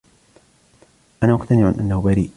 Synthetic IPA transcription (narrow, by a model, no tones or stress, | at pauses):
ʔanaːʔʊqt̪anɪʕanʔanːahʊbaɾiːʔ